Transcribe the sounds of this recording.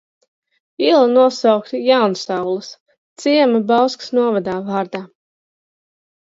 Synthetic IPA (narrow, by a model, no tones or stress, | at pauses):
ilˠanuɔsawkt̪jawnsawlˠɨs | t̪siɛmabawsksnuɔvad̪aːvaːɾd̪aː